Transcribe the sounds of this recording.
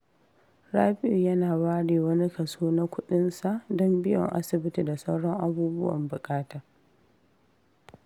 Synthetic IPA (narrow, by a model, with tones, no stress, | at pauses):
ɽaː˦ɸɪ˦ʔi˨jɐ˦naː˨waː˦ɽiː˨wɐ˦ni˦kɐ˨suː˦na˦kʷʊ˦ɗɪ˦nsa˨ʔdɔ˦mbɪ˦jɔ̰˨ŋʔa̰˦sɪ˨bɪ˦ti˨da˨sa˦wɽɔ˦ŋʔa˦buː˦bʊ˦wɐ̰˨mbʊ˨kʼaː˦taː˨